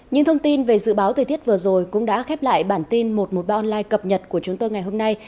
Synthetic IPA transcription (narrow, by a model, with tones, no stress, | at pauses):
ɲɨ̰˧ŋt̪ʰə˧wŋ͡mt̪i˧nve˨˩zɨ̰˧˨ɓaː˨˦wt̪ʰəː˨˩t̪i˦˥ət̚vɨ˨˩əzo˨˩jkʊ̰˧˥ŋ͡mɗa̰ː˧˥xɛ˦˥p̚la̰ː˧˨jɓaː˧˩nt̪i˧nmo˨˩t̚mo˨˩t̚ɓaː˧ʔɔ˧nlaː˧jkə˨˩p̚ɲə˨˩t̚ku˧˩ət͡ɕʊ˨˦ŋ͡mt̪o˧jŋa˨˩jɦo˧mna˧j